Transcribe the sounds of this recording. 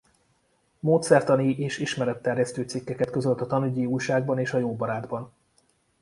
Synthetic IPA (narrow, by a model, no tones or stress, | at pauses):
moːt̪sɛrt̪ɒniʔeːʃiʃmɛɾɛt̪ːɛrjɛst̪øːt̪sikːɛkɛt̪køzø̞lt̪ɒt̪ɒnuɟiuːjʃaːɡbɒneːʃɒjoːbɒɾaːd̪bɒn